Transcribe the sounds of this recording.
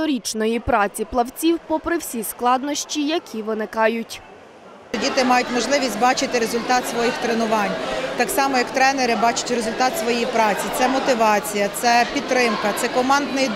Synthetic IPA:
ɔɾʲit͡ʃnɔjipɾɑt͡sʲiplˠɐwt͡sʲiwpɔpɾɪwsʲisklˠɑd̪nɔʃʲt͡ʃʲijɐkʲʰiʋɪnɪkɑjʊtʲ | dʲit̪ɪmɑjʊtʲmɔʒlˠɪʋʲisʲtʲbɑt͡ʃɪt̪ɪɾezʊlʲt̪ɑt̪sʋɔjixt̪ɾenʊʋɑnʲt̪ɑksɑmɔjɐkt̪ɾɛneɾɪbɑt͡ʃʊ̥tʲɾezʊlʲt̪ɑt̪sʋɔjɛjipɾɑt͡sʲit̪sɛmɔt̪ɪʋɑt͡sʲijɐt̪sɛpʲid̪ɾɪmkɐt̪sɛkɔmɑnd̪nɪj

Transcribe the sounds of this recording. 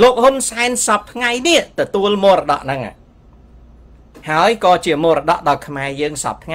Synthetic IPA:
loːk̚hunsaɛnsɑp̚t̪ʰŋajniəʔt̪ɔt̪uəlmoːrɑɗɑ̰ʔnɨŋa̰ | haəjkɑːt͡ɕiəmoːɾɑɗɑ̰ʔɗɑɔlkʰmaɛjəːŋsɑ̰p̚t̪ʰŋ

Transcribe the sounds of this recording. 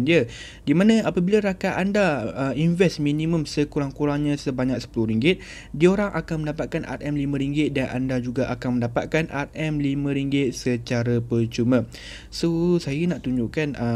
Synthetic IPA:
ndiə | dimãnãapəbilaɾakaʔandaəinvɛsminĩmə̃msəkuɾaŋkuɾaŋɲãsəbaɲak̚sə̥pulʊhɾiŋɡɪt̪̚ | diaoɾaŋʔakanməndapat̪̚kana̰t̪̚ɛmlimə̃ɾiŋɡɪt̪̚danʔa̰ndad͡ʒuɡaʔa̰kanmə̃ndapat̪̚kanʔa̰t̪̚ɛmlimə̃ɾiŋɡɪt̪̚sət͡ʃaɾəpət͡ʃumə̃ | sosajənaʔt̪uɲd͡ʒuʔkanʔə

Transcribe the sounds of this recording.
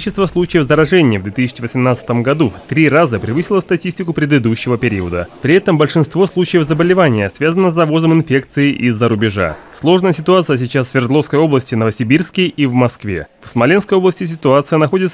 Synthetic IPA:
it͡ɕɪst̪vəslˠut͡ɕɪjəvzəɾɐʐɛnʲɪjəvd̪vʲet̪ɨsʲɪ̥t͡ɕɪvəsʲɪmnat̪sɨ̥t̪əmɡɐd̪uft̪ɾʲiɾazəpɾʲɪvɨsʲɪlˠəst̪ɐtʲisʲtʲɪkʊpɾʲɪd̪ɨd̪uɕːɪvəpʲɪɾʲḭəd̪ə̰pɾʲɪɛt̪əmbəlʲʂɨnst̪vo̞slˠut͡ɕɪjəvzəbəlʲɪvanʲɪjəsvʲazənːəzɐvo̞zəmɪnfʲek̚t̪sɨɪʔizːəɾʊbʲɪʐa̰slˠo̞ʐnəjəsʲɪt̪ʊat̪sɨjəs̬ʲɪt͡ɕasvvʲɪrd̪lˠo̞fskəjo̞blˠəsʲtʲɪvnəvəsʲɪbʲirskʲɪivmɐskvʲḛfsmɐlʲenskəjo̞blˠəsʲtʲɪs̬ʲɪt̪ʊat̪sɨjənɐxo̞dʲɪt̪s

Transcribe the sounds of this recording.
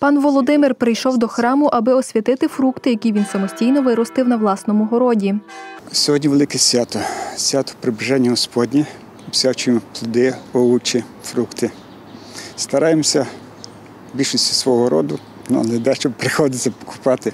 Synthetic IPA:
pɑnʋɔlˠɔd̪ɪmɪrpɾɪjʃɔwd̪ɔxɾɑmʊʔɐbɪɔsʲʋʲit̪ɪt̪ɪfɾukt̪ɪjɐkʲiʋʲinsɐmɔsʲtʲijnɔʋɪɾɔst̪ɪwnɐʋlˠɑsnɔmʊɦɔɾɔdʲisʲɔɦɔdʲnʲiʋelˠɪkɛsʲʋʲat̪ɔsʲʋʲat̪ɔ̥pɾɪbɪʒɛnʲːɐɦɔspɔdʲnʲi | sʲat͡ʃmplˠʊd̪ɪɛɔut͡ʃi | fɾukt̪ɪ | st̪ɐɾɑjemsʲɐ | bʲilʲʃɔsʲtʲi̥sʋɔɦɔɾɔd̪ʊ | nʊ̰nɛd̪ɛʃt͡ʃɔbpɾɪxɔd̪ɪt̪ʲɐpɔ̥kʊ̥pɑt̪ɪ

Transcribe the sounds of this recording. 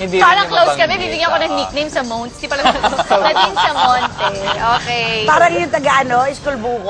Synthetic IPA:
ɪ̃nd̪ipaːɾɐŋklowskɐbɛbiːbiɡaɐkonɐŋnik̚nejmsɐmownt̪̚sd̪ipɐlɐlɐt̪ɪŋsɐmont̪ɛʔoːkepaːɾɐŋɪjʊŋt̪ɐɡɐʔɐnoɪskʊlbuːk

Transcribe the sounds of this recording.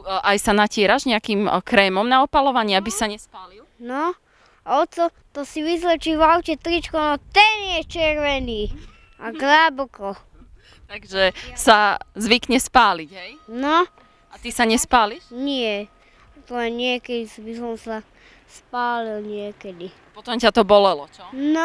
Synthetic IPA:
ʔajsanacɪɛɾaʒɲɛakimkɾɛːmɔmnaɔpalɔʋaɲɪɛabisaɲɛspaːlilnɔ | aɔt̪ɔ | t̪ɔsiʋizlɛt͡ʃiʋawcɛt̪ɾit͡ʃkɔnɔt̪ɛnjɛt͡ʃɛɾʋɛniː | aɡlɛbɔkɔ | t̪aɡʒɛsazʋikɲɛspaːliɟɦɛjnɔ | at̪isaɲɛspaːliʃɲɪɛ | t̪lɛɲɪɛkɛd̪isibisɔmsa | spaːlilɲɪɛkɛd̪iapɔt̪ɔmcat̪ɔbɔlɛlɔt͡ʃɔnɔ

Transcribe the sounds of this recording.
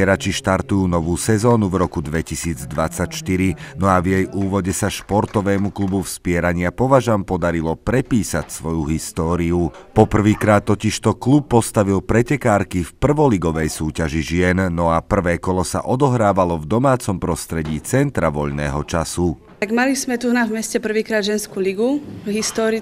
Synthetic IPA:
ɛɾat͡ʃiʃt̪aɾt̪ujuːnɔʋuːsɛzɔːnuvɾɔkud̪ʋɛcisiːd͡zd̪ʋat͡sacʃt̪iɾinɔavjɛjʔuːʋɔɟɛsaʃpɔɾt̪ɔʋɛːmuklubufspɪɛɾaɲɪapɔʋaʒampɔd̪aɾilɔpɾɛpiːsacsʋɔjuɦist̪ɔːɾiupɔpr̩ʋiːkɾaːt̪ːɔciʃt̪ɔklupːɔst̪aʋilpɾɛcɛkaːɾkifpr̩ʋɔliɡɔʋɛjsuːcaʒiʒɪɛnnɔapr̩ʋɛːkɔlɔsa̰ʔɔd̪ɔɦɾaːʋalɔvd̪ɔmaːt͡sɔmpɾɔst̪ɾɛɟiːt͡sɛnt̪ɾaʋɔʎnɛ̰ːɦɔt͡ʃasu | t̪aɡmalizmɛt̪unavmɛscɛpr̩ʋiːkɾaːd̪ʒɛnskuːliɡuɦist̪ɔːɾi

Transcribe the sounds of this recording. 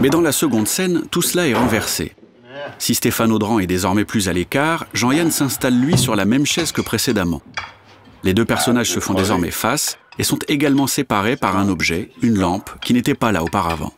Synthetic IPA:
mɛd̪ɑ̃lasəɡɔ̃d̪sɛnt̪uslaɛʁɑ̃vɛʁsḛ | sist̪efanod̪ʁɑ̃ɛd̪ezɔʁmɛplyzalekaʁʒɑ̃jansɛ̃st̪alːɥisyʁlamɛmʃɛzkəpχesed̪amɑ̰̃ | led̪øpɛʁsɔnaʒsəfɔ̃d̪ezɔʁmɛ̰fasesɔ̃t̪eɡalmɑ̃sepaʁepaʁɛ̃nɔbʒɛynlɑ̃pkʲinet̪ɛpala̰opaʁa̰vɑ̰̃

